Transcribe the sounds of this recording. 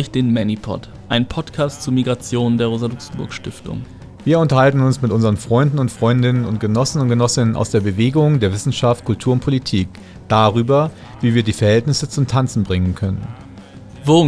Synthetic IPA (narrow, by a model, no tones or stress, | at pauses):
ɪçd̥eːnmɛnipʰɔ̰t | ʔaɪnpʰɔtkʰaːstt͡suːmiɡʁat͡sjoːndeːɐʁoːzalʊksn̩bʊɐkʃtɪ̰ftʰʊ̰ŋ | viːɐʊntɐhaltn̩ʊnsmɪtʔʊnzəʁənfʁ̥ɔʏndn̩ʊntfʁ̥ɔʏndɪnənʊntɡ̥ənɔsn̩ʊnt̚ɡ̥ənɔsɪnənʔa̰ʊsd̥eːɐbəveːɡʊŋdeːɐvɪsn̩ʃaftkʰʊltʰuːɐʊnt̚pʰolitʰiːk | d̥aːʁyːbɐ | viːviːɐdiːfɛɐhɛltnɪsət͡sʊmtʰant͡sn̩bʁɪŋənkʰœnə̰n | voː